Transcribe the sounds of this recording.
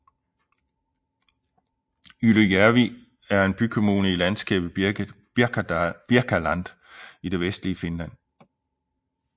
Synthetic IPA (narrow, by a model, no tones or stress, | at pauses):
yləjæɐʋi | æɐe̝nb̥ykʰo̝muːnəilænsɡ̥ɛ̰ːb̥ð̩ | b̥iɐɡ̥ʰælæn̰d̥ | id̥e̝ʋesd̥liəfenlæn̰